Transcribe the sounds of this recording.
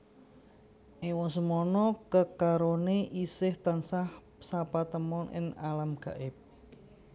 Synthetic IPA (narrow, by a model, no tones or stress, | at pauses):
ʔewɔs̬əmɔnɔkəkaɾoneʔisɪht̪ansah | sapat̪əmɔnʔɪ̰ŋalamɡ̥a̤̰ʔɪp̚